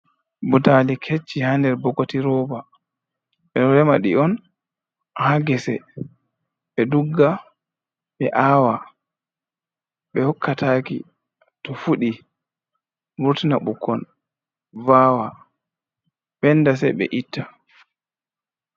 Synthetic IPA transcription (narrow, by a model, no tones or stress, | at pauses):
butalikʰet͡ʃːihandɛɾbɔkotiɾɔːba | ɓɛɔɾɛmaɗḭɔn | haɡɛsɛ | ɓɛduɡːa | ɓɛʔaːwa | ɓɛhɔkːatʰaːkḭ | tɔfuɗi | muɾtinaɓukːɔn | vaːwa | ɓɛnːdasɛ̰ɓɛ̰ʔitːa